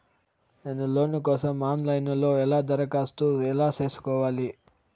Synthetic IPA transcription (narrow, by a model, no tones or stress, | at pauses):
neːnuloːnukɔːsɐmːaːnlɐjnlo̞ːɛlaːd̪ɐɾɐkaːst̪uːɛlaːt͡ʃe̞ːsu̥kɔːʋaːli